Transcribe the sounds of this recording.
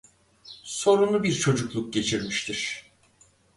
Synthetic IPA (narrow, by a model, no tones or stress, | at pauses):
so̞ɾunubiɾt͡ʃʰo̞d͡ʒuklˠuk̚ɟe̞t͡ʃʰiɾmiʃt̪ʰiɾ̥